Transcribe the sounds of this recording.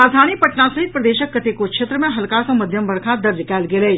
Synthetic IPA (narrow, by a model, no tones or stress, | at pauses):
aːzʱaːñipəʈnãːsəɦɪt̪pɾəd̪eːʃəkːət̪eːkokʃʰeːt̪ɾəmɛ̃ːɦəlkaːt̪õːməd̪ʱjəmbəɾkʰãːd̪əɾd͡ʒkɛːlɡeːleː